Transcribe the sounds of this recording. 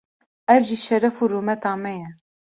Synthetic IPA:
ɛvʒiːʃɛɾɛfuːɾuːmɛt̪ɑːmɛjɛ

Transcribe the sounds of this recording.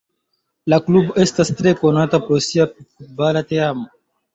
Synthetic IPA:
lakluboestastɾekonatapɾosiapkut̚balateamo

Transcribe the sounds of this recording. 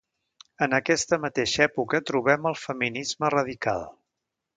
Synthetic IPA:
ənəkɛst̪əmət̪eʃɛpukət̪ɾuβɛməlˠfəminizmərəð̞ika̰lˠ

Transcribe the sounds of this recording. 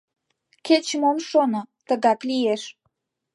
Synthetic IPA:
ket͡ɕəmomʃonot̪ə̆ɣɑklijeʃ

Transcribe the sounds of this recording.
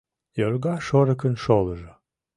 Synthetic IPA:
joɾɡɑʃoɾə̆kənʃolˠəʒə

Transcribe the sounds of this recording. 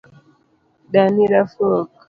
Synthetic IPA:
daniɾafɔk

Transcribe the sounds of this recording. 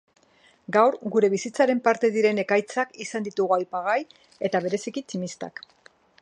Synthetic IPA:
ɡawɾɡuɾe̞β̞isit͡saɾe̞mpaɾt̪e̞ðiɾe̞ne̞kajt͡sakisand̪it̪uɣuajpaɣ̞aj | e̞t̪aβ̞e̞ɾe̞sikit͡ʃimist̪a̰k

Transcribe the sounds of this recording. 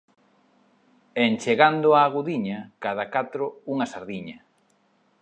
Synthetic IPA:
ent͡ʃeɣand̪ʊaːɣuðiɲakað̞akat̪ɾʊuŋɐsaɾðiɲɐ

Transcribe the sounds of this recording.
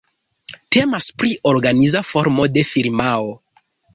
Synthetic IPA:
te̞maspɾiʔo̞ɾɡanizafo̞ɾmo̞de̞fiɾmao

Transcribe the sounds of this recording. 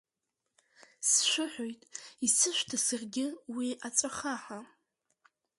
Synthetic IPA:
sʃʷʊħʷᶣojtʼisɨʃʷtʰasarɡʲɪwiʔat͡sʷʼaχaħa

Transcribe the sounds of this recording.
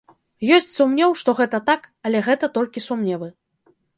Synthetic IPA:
jɔsʲt͡sʲsumnʲɛwʂt̪ɔɣɛt̪ɐt̪akɐlʲɛɣɛt̪ɐt̪ɔlʲkʲisumnʲɛvɨ

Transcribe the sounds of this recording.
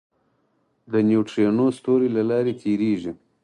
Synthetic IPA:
d̪ənjuʈɾenost̪oɾilalɑɾet̪ʰeɾeʒi

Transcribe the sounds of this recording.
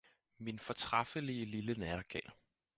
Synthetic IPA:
minfɒ̽t͡sʰʁɑ̈fəliəlilənæɐɡ̥ɛ̰ːl

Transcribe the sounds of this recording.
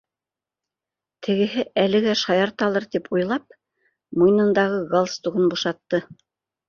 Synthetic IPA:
t̪ʰɘ̆ɡɘ̆ɦɘʔælɘ̆ɡæʃɑjɑɾt̪ɑlˠɤɾt̪ipujlˠɑp̚ | mujnɤ̆nd̪ɑʁɤɡolˠst̪uʁɤnbuʃɑt̪ːɤ

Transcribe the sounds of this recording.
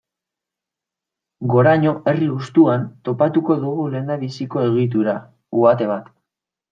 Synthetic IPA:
ɡo̞ɾaɲo̞ʔe̞riust̪uant̪o̞pat̪uko̞ðuɣule̞nd̪aβisiko̞e̞ɣ̞it̪̬uɾa | uat̪e̞β̞at̪

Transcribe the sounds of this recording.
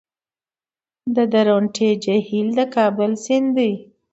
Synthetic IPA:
d̪əd̪aɾoɳʈʰed͡ʒahild̪əkɑbəlsɪnd̪uj

